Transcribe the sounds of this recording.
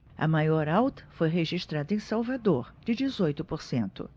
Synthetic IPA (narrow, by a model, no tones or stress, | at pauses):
ɐ̰majɔɾawt̪ɐ̥fojɦeʒiʃt̪ɾad̪ɐẽj̃sawvad̪oɾd͡ʒɪd͡ʒɪzojt̪ʊpoɾsẽnt̪ʊ̰